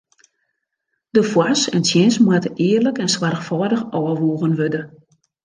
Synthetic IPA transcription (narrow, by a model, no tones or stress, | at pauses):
d̥əfwasɛ̰nsjɪnsmwatəʔɪːərləkɛnswarxfɔːdəxɔːəʋuːɣənʋødə